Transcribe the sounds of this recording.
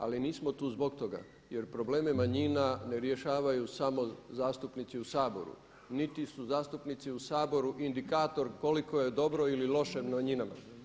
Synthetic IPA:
a̰liniːsmo̞t̪uːzbo̞kt̪o̞ɡa̰ | je̞ɾpɾo̞ble̞ːmemaɲinane̞ɾjeʃaːʋajusamo̞zaːst̪upnit̪siusaːbo̞̰ɾṵ | nit̪isuzaːst̪upnit̪siusaːbo̞ɾuʔind̪ikaːt̪o̞ɾko̞liko̞je̞d̪o̞bɾo̞ililo̞ʃemaɲinama̰

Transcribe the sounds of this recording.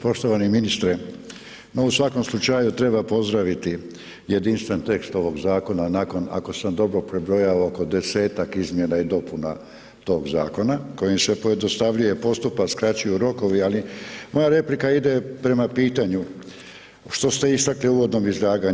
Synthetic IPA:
po̞ʃt̪oʋaniminist̪ɾe | no̞usʋako̞mslˠut͡ʃajut̪ɾe̞bapo̞zd̪ɾaʋit̪i | je̞d̪inst̪ʋe̞nt̪e̞kst̪o̞ʋo̞ɡzaːko̞nanako̞na̰ko̞samd̪o̞bɾo̞pɾebɾo̞jaooko̞d̪e̞se̞ːt̪akizmje̞naid̪o̞puna̰ | t̪o̞ːɡza̰ːko̞nako̞jimsepo̞je̞d̪nost̪aʋʎuje̞po̞st̪upaskɾat͡ɕujuɾo̞ko̞ʋialimo̞jaɾe̞plikaid̪e̞pɾe̞mapiːt̪aɲu | ʃt̪o̞st̪e̞ist̪akliuːʋo̞d̪no̞mizlaːɡa

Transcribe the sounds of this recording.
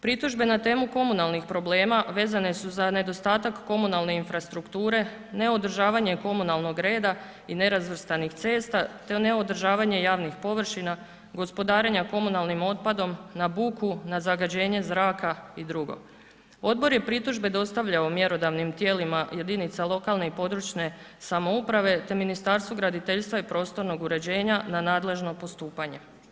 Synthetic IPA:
pɾit̪uʒbe̞nat̪e̞ːmuko̞munalˠnixpɾo̞ble̞ːmaʋe̞ːzane̞suzane̞d̪o̞st̪aːt̪akːo̞munalˠne̞infɾast̪ɾukt̪uːɾe̞ | ne̞o̞d̪r̩ʒaːʋaɲe̞ko̞munalˠno̞ɡɾe̞ːd̪a | ine̞ɾazʋr̩st̪anixt̪se̞ːst̪at̪ene̞o̞d̪r̩ʒaːʋaɲe̞jaːʋnixpo̞ʋr̩ʃina | ɡo̞spo̞d̪aːɾeɲako̞munalˠnimo̞t̪̚pad̪o̞mnabukunazaɡad͡ʑe̞ːɲe̞zɾaːkaid̪ɾuɡo̰ | o̞d̪̚bo̞ɾje̞pɾit̪uʒbe̞d̪o̞st̪aʋʎaomje̞ɾo̞d̪aʋnimt̪je̞ːlimaje̞d̪init̪salˠo̞kalne̞ipo̞d̪ɾut͡ʃne̞ | samoupɾaʋe̞t̪e̞minist̪aɾst̪ʋuɡɾad̪it̪e̞ʎst̪ʋaipɾo̞ːst̪o̞ɾno̞ɡuɾe̞d͡ʑe̞ːɲananaːd̪le̞ʒno̞po̞st̪uːpaɲe̞

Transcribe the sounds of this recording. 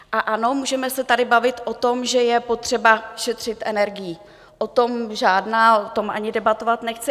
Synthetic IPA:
ʔaʔano̞muːʒɛmɛsɛt̪adɪbavɪt̪ʔot̪o̞mʒɛjɛpo̞t̪r̝̥ɛbaʃɛt̪r̝̥ɪt̪ʔɛnɛɾɡɪji | ʔot̪o̞mʒaːdnaːot̪o̞mʔa̰ɲɪdɛbat̪o̞vat̪nɛxt͡sɪ

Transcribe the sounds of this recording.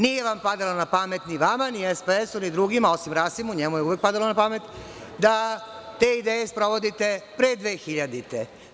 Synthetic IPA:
nije̞ʋampad̪alonapamet̪niʋamaniespeesunid̪ɾuɡimao̞simɾasimuɲemujeuʋek̚pad̪alonapame̞t̪ | d̪at̪e̞ːid̪eːjespɾo̞ʋo̞d̪it̪epɾed̪ʋeːxiʎad̪it̪e

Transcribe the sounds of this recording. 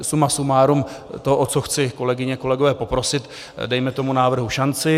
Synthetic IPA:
sumasumaːɾumt̪oʔot͡soxt͡sɪko̞lɛɡɪɲɛko̞lɛɡo̞vɛːpo̞pɾo̞sɪt̪ | dɛjmɛt̪o̞munaːvr̩ɦuʃant͡sɪ

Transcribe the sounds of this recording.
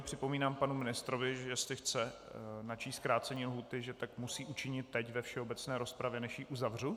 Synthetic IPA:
pr̝̥ɪpo̞miːnaːmpanumɪnɪst̪ɾovɪʒɛsɪxt͡sɛnat͡ʃiːst̪̚kɾaːt͡sɛɲiːlɦuːt̪ɪʒɛt̪akmusiːʔut͡ʃɪɲɪt̪ːɛcvɛfʃɛo̞bɛt͡snɛːɾo̞spɾavjɛnɛʃjiːʔuzavr̝u

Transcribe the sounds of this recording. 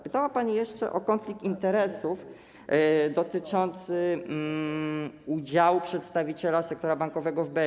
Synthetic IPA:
pɘt̪awapaɲijɛʂt͡ʂɛ̰ʔɔkɔnflʲik̚t̪int̪ɛɾɛsuf | d̪ɔt̪ɘt͡ʂɔnt̪sɘ | ud͡ʑawupʂɛt̪st̪avʲit͡ɕɛlasɛk̚t̪ɔɾabaŋkɔvɛɡɔvbɛ

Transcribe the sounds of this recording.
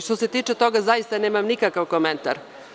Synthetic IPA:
ʃt̪ose̞t̪iːt͡ʂet̪o̞ɡazajist̪aneːmamnikakaʋkoment̪a̰ɾ

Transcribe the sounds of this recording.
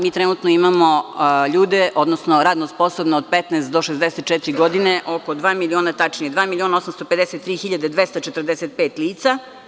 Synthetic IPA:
miːt̪ɾenuːt̪noimamo̞ʎuːd̪eʔo̞d̪nosnoɾaːd̪nospo̞sobneod̪̚pet̪neːst̪̚d̪o̞ʃezd̪eset̪̚t͡ʃɛt̪iɾiɡo̞d̪ineʔo̞ko̞d̪ʋaːmilioːnat̪at͡ʃnied̪ʋaːmilio̞ːnaosamst̪ope̞d̪eset̪ːɾiːxiʎad̪ed̪ʋest̪at͡ʃet̪rd̪eset̪̚peːt̪liːt̪sa

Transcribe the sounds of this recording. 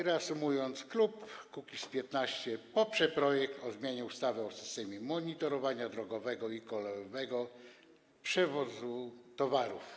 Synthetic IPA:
ɾɛasumujɔnt̪sklupkukʲispʲjɛt̪naɕt͡ɕɛpɔpʂɛpɾɔjɛkt̪ɔzmʲjeɲɛust̪avɛɔsɘ̥st̪ɛmʲimɔɲit̪ɔɾɔvaɲad̪ɾɔɡɔvɛɡɔikɔlɛjɔvɛɡɔ | pʂɛvɔzut̪ɔvaɾuf

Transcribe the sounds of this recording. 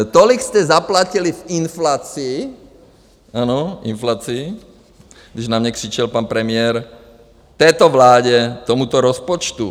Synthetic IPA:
t̪ɔlikscɛzaplacilivinflaːt͡siː | aːnɔḭnflaːt͡siː | ɡd̪iʒnamɲɛkr̥it͡ʃɛlpaːnpɾɛmɪɛɾ | t̪ɛjt̪ɔʋlaːɟɛt̪ɔmut̪ɔɾɔspɔt͡ʃt̪u

